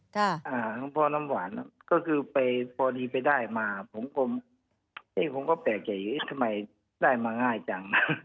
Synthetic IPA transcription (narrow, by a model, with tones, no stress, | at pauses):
kʰa˧˩ʔaː˧˩˧pʰɔː˧na˧˥˨mwaː˨˦n˧kɔː˥˩kʰɯː˧pa˨jpʰɔː˧diː˧pa˨jdaː˥˩jmaː˧pʰo˨˦mko˧m | ʔeː˧˥˩pʰo˨˦mkɔː˥˩pɛː˨˩k̚t͡ɕa˨˩juː˨˩ʔe˧˩t̪ʰa˧ma˧˩j | daː˥˩jmaː˧ŋaː˧˩jt͡ɕa˧ŋna˧˥˩